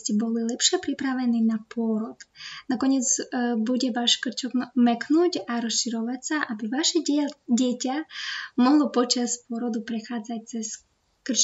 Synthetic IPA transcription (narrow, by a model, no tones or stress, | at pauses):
cʲibɔlilˠɛpʃiɛpɾipɾaʋɛninapɔɾɔd̪nakɔɲʲɛzbuɟʲɛʋaʃkr̩t͡ʃɔkmɛknutʲaɾɔsʃiɾɔʋatʲsaʔabɪʋaʃɛɟʲɛtʲamɔɦlˠɔpɔt͡ʃaspɔɾɔd̪upɾɛxaːd͡zac̚ʲt͡ssɛs | kr̩t͡ʃ